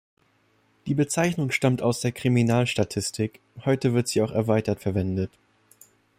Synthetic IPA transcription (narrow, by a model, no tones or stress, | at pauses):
d̥iːbət͡saɪçnʊŋʃtamtaʊsd̥eːɐkʁ̥iminaːlʃtatʰɪstʰɪk | hɔʏtəvɪɐtz̥iːaʊxɛɐvaɪtɐtfɛɐvɛndət